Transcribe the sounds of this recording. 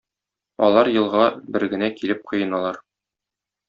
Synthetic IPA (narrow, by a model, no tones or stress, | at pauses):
ɒ̰lˠɑɾjɤ̆lˠʁɑbɘɾɡɘ̆nækilɘp̚qʰŏjɤ̆nɑlˠɑɾ